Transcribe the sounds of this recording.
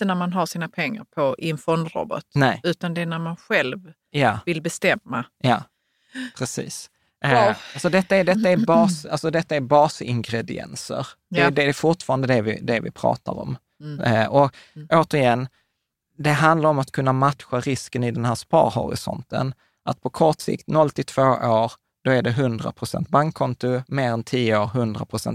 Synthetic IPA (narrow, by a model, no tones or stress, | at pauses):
t̪ːənæɾmanɦaʂiːnapʰɛŋːa̰ɾpʰɔʔɪɛnfɔnd̪ɾɔ̰bɔ̰t̪nɛɪʉ̟ːt̪and̪ɛnæɾmanɧɛlv | jɑːvɪlbɛst̪ɛmːajɑː | pʰɾɛsḭːs | alsɔd̪ɛt̪ːaɛd̪ɛt̪ːaɛɾbɑːsalsɔd̪ɛt̪ːaɛɾbɑːsɪŋɡɾɛd̪ɪɛ̰nsə̰ɾdɛd̪ɛfʊʈfɑːɾand̪əd̪ɛvɪ̰d̪ɛvɪ̰pʰɾɑ̰ːt̪a̰ɾɔ̰m | ɔoːt̪əɾɪjɛnː | d̪ɛɦand̪laɾɔmat̪kʰɵnːamat̪ɧaɾɪskənɪd̪ɛnɦæːspɑ̰ːɾɦɔ̰ɾɪ̰sɔ̰nt̪ə̰n | ʔat̪̚pʰɔkʰɔʈsɪ̰kt̪nɔlt̪ʰɪt̪ʰv̥oːʔoːɾ | d̪̥ɔæɖɛɦɵnd̪ɾa̰pʰɾʊsɛ̰nt̪̚baŋkʰːɔnt̪ʊmeːɾɛnt̪ʰiːəoːɾɦɵnd̪ɾa̰pʰɾʊsɛ̰nt̪